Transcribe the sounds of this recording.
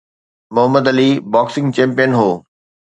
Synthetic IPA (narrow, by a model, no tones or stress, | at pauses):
mʊɦəmːəd̪ɐlibaːksɪ̃ŋɡt͡ɕɛ̃ːmpijənɦoː